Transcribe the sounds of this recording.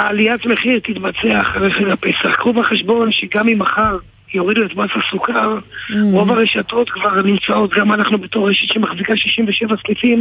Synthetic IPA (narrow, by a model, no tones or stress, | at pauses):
aːliatmeχiʁt̪it̪bat͡seaːχaʁeχaɡape̞saχkʁuvaχe̞ʃbo̞nʃeɡamimaχaʁ | jo̞ʁiduetbasasukaʁo̞vaʁeʃato̞t̪kvaʁnimt͡sao̞t̪ɡamanaχnube̞to̞χːeʃet̪ʃemaχzikaʃiʃimveʃevaslifim